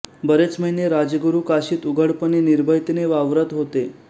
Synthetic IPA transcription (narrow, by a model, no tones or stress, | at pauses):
bəɾet͡sməɦinjeɾad͡ʑəɡuɾukaɕiːt̪uɡʱəɽpəniniɾbʱəjt̪ineʋaʋɾət̪ɦot̪e